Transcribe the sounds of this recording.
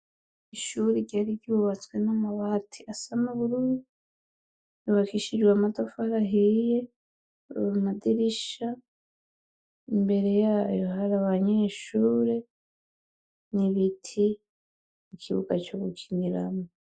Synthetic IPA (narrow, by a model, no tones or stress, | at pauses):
iʃuɾiɟaɾiɟuβat͡swenamaβatʰiʔasanuβuɾuɾu | iβakiʃiɾɡwamatofaɾaɦije | madiɾiʃa | imbe̞ɾe̞jaːjo̞ɦaɾaβaɲeʃuːɾe̞ | niβitʰi | mukʰiβṵɡat͡ʃoɡucʰiniɾa̰mo